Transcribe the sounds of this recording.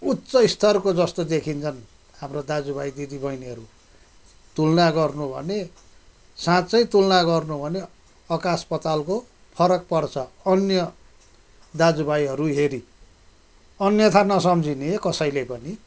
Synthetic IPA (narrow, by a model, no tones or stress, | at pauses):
ut̪sʌist̪ʰʌrkod͡zʌst̪od̪ekʰint͡sʰʌn | hamrod̪ad͡zubajd̪id̪ibʱʌjneɦʌɾu | t̪ulnaɡʌrnubʱʌ̰ne | sãt͡sʌjt̪ulnaɡʌrnubʱʌne | ʌkaspʌt̪alko | pʰʌɾʌk̚pʌrt͡sʰʌʌnjʌ | d̪ad͡zubajɦʌɾuɦeɾi | ʌnjʌt̪ʰanʌsʌmd͡zʱineekʌsʌjlepʌni